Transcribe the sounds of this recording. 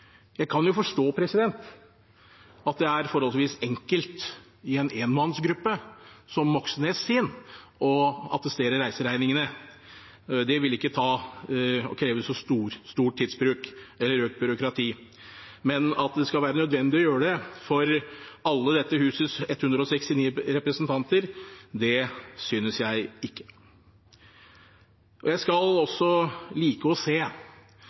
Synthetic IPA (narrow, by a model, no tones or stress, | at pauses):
jæɪkʰɑnjʊfɔʂʈoːpʰɾɛsɪd̪ɛnt̪ | ɑt̪̚d̪ɛæɾfɔɾɔlsʋiːsɛŋkəlt̪ | ɪɛneːnmɑnːsɡɾʉpːəsɔmːɔksneːsɪːnɔɑ̰t̪əst̪eːɾəɾæɪsəɾæɪnɪŋənə | d̪ɛʋɪlɪkːət̪ʰɑː | ɔ̰kʰɾeːʋəsɔst̪uːɾst̪uːʈ̪̚ʰːiːd̪sbɾʉːkɛlːəɾøːk̚t̪̚bʏɾʊkɾɑt̪ʰiː | mɛnɑt̪d̪ɛskɑlʋæːɾənœd̪ʋɛnd̪ɪɔjøːɾəɖ̪ɛfɔɾɑlːəd̪ɛt̪ːəhʉːsəsɛt̪ːhʉnd̪ɾəɔsɛkst̪ɪniːɾɛpɾəsənt̪ʰɑnt̪əɾd̪ɛsyːnəsjæɪɪkːə̥ | ʔɔjæɪskɑlɔsːɔliːkəɔseː